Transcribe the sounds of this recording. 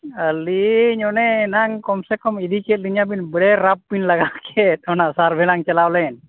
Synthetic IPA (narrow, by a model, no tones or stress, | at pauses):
əliɲɔnɛnaŋkɔmsɛkɔmid̪ikɛt̪̚liɲabinbəɽɛɾapːinlaɡakʰɛt̪̚ɔnaʔsaɾbʱɛlaŋt͡ʃɛlawlɛn